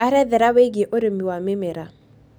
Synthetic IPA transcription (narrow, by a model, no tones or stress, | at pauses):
aɾɛðɛɾaweɡɪʔoɾɪmiwamɪmɛɾa